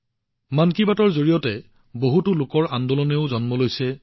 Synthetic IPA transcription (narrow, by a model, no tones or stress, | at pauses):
mankibatɔɹzoɹijɔtɛ | boɦutʊlʊkɔɹʔandɔlɔneʊzɔnmɔlojsɛ